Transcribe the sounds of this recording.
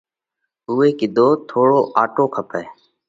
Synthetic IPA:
uːeːkɪd̪ʱoːt̪ʰoːɽoːʔaːʈoːkʰəpʰeː

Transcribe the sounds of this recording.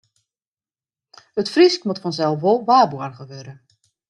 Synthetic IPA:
ətfriskmotfɔnzɛlˠfʋolˠʋaːbuərɣəʋøːɾə

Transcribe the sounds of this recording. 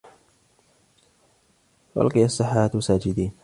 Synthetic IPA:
wʔʊ̰lqɨjasˤːɨħːaːt̪wsaːd͡ʒɪd̪iːn

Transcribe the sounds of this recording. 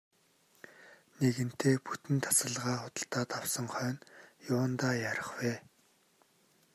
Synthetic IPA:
neɣɘ̆n̥t̪ʰeːput̪ɘ̆nt̪ʰḁsə̆ɮʁaːχʊt̪ə̆ɬt̪aːt̪awsə̆ŋχœːnjʊːnt̪aːjaɾə̆χweː

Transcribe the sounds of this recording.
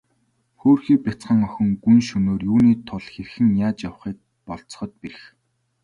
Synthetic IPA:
xoːrxiːk̚pʲat͡sχə̆ŋœxʲɪ̆ŋɡunʃɵnoːrjuːniːt̪ʰʊɮxerxɘ̆ŋjaːt͡ɕjawχiːt̪̚ | pɔɮt͡s̆χɞ̆t̪̚piɾ̆x

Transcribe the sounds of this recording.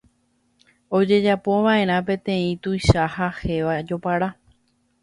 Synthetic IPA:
o̞d͡ʒe̞d͡ʒapo̞ʋaʔe̞ɾ̃ãp̬ẽ̞t̪ẽ̞ĩt̪ujʃahahe̞ʋad͡ʒo̞paɾa

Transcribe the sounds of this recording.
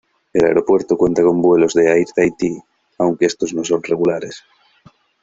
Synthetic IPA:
ela̰eɾopwe̞ɾt̪okwe̞nt̪ako̞mbwe̞lo̞zðeajɾt̪ajt̪i | awŋkeest̪oznosonreɣulaɾes

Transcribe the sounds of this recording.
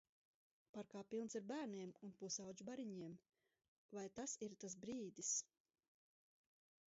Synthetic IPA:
paɾkaːpilˠnsiɾbæːɾniɛmunpuːsawd͡ʒbaɾiɲiɛm | vajt̪asiɾt̪as̬bɾiːd̪is

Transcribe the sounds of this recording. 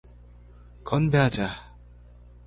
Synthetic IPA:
kʌnbeɦad͡ʑa

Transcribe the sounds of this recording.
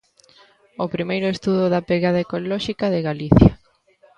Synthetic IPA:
opɾimejɾʊest̪uðʊðɐpeɣaðaekolɔʃikɐðeɣaliθjɐ

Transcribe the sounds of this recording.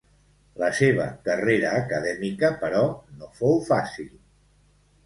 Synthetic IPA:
ləseβ̞ə̰kəreɾəːkəðɛmikəpəɾɔnofowfasilˠ

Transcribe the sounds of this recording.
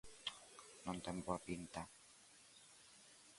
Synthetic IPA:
nɔnt̪ɛmpuapint̪a

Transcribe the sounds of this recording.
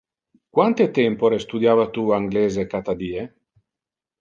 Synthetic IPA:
kwant̪et̪ɛmpoɾest̪ud̪jaːvat̪uaŋɡleːzekat̪ad̪iːe

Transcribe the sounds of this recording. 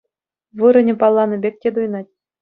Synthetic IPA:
ʋɤ̆ɾɤ̆nʲɘ̆pɑlˠːɑnɤ̆bʲek̚ʲtʲed̪ujnɑtʲ

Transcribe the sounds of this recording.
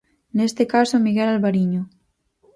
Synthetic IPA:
nest̪ɪkasomiɣɛlalβaɾiɲʊ

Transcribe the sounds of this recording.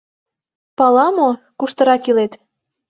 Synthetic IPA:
pɑlɑmo | kuʃt̪ɤ̆ɾɑkilet̪

